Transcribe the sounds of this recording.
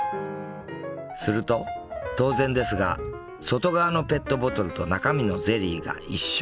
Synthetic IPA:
sɨɾɯ̟t̪o̞t̪o̞ːzẽ̞nd̪e̞sɨɡa̰ | so̞t̪o̞ɡaβano̞pe̞t̪ːo̞bo̞t̪o̞ɾɯ̟t̪o̞nakamʲino̞ze̞ɾʲiːɡa̰iɕː

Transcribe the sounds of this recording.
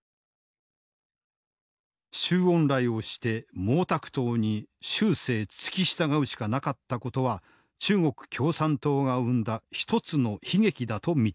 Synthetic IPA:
ɕɨːõ̞nɾaio̞ɕi̥t̪e̞mo̞ːt̪akɯ̟̥t̪o̞ːɲ̟iɕɨːse̞ːt͡sɨ̥kʲiɕi̥t̪aɡaɯ̟ɕi̥kanakat̪ːako̞t̪o̞βa | t͡ɕɨːŋo̞kɯ̟̥kʲo̞ːsãnt̪o̞ːɡaɯ̟̃nd̪açi̥t̪o̞t͡sɨno̞çiɡe̞kʲid̪at̪o̞mʲi

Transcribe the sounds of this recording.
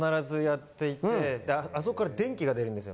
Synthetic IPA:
naɾazɨjat̪ːe̞it̪ːed̪eas̬okːaɾad̪ẽ̞ŋkʲiɡad̪e̞ɾɯ̟̃nd̪esɨjo

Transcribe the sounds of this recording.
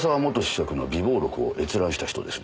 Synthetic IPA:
saβamo̞t̪ːo̞ɕi̥sakɯ̟nobʲibo̞ːɾo̞kɯ̟o̞̰ʔe̞t͡sɨɾãɰ̃ɕi̥t̪açi̥t̪o̞̰d̪e̞sɨ̥

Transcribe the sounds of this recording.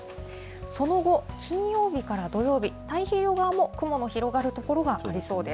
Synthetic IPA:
so̞no̞ɡo̞kʲĩɰ̃jo̞ːbʲikaɾad̪o̞jo̞ːbʲit̪aiçeːjo̞ɡaːmo̞kɯ̟mo̞no̞çiɾo̞ɡaɾɯ̟t̪o̞ko̞ɾo̞ɡaʔaɾʲiso̞ːd̪e̞

